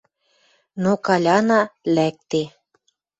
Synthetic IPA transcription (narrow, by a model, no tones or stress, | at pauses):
nokɑlʲɑnɑlæk̚t̪e